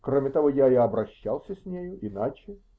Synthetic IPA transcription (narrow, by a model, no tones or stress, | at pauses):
kromʲɪt̪ɐvojaɪɐbɾɐɕːalˠsʲəsʲnʲejʊʔɪnat͡ɕɪ